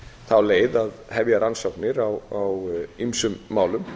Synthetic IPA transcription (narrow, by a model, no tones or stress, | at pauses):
θawleːjðaðhɛvjaɾansowknɪɾawawimsʏmːaːwlʏm